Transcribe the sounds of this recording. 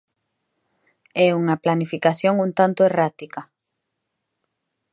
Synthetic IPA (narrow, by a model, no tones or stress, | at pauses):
ɛuŋɐplanifikaθjoŋũnt̪ant̪ʊerat̪ika